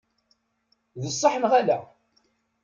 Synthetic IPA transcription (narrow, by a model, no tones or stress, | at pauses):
ðəsˤːɑħənʁælæ